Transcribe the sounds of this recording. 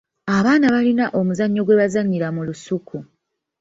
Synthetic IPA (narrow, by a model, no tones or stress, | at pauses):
aβaːnaβalinaʔo̞muzaɲːo̞ɡwe̞βazaɲːiɾamulusukʰu